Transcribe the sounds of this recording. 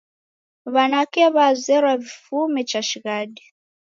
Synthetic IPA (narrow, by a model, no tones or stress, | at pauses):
βanakɛβazʷɛɾavifumɛt͡ʃaʃiɣadi